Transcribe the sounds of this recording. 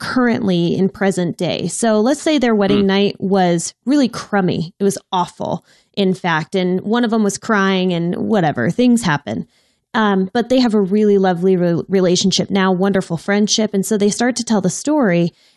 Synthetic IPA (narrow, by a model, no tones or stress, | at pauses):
kʰɜ˞ɨ̰̃nʔliɪ̰̃npʰɹ̥ɛzɨ̃nd̥eɪsoʊlətseɪðə˞wɛɾɪ̃ŋnaɪʔ̚wʌz̥ɹɪlˠikʰɹ̥ʌ̃mḭɪt̚wʌzɔfl̩ˠ | ʔɨ̃nfæk̚tɨ̃nwʌ̃ñʌvə̃mwʌz̥kʰɹ̥aɪɪ̃ŋɨ̃nwʌɾɛvə̰˞θɪ̃ŋz̥hæpɨ̰̃n | ʌb̥ʌt̪̚ðeɪɨvəɹɪlˠilʌvliɹɹileɪʃn̩ʃɪp̚naʊwʌ̃ndə˞fl̩ˠfɹɛ̃nd̥ʃɪpɨ̃n̩soʊðeɪstɑɹtʰɨtʰɛlˠðəstɔɹi